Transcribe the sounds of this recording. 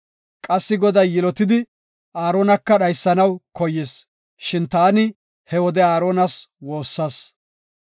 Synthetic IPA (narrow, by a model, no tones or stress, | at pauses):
kʼɐsːɪɡɔd̪ɐjːɪlɔt̪ɪd̪ɪ | ʔaːɾoːnɐkːɐɗɐjsːɐnɐwkɔjːɪs | ʃɪnt̪aːnɪ | hɛwɔd̪ɛaːɾoːnɐswo̞ːsːɐs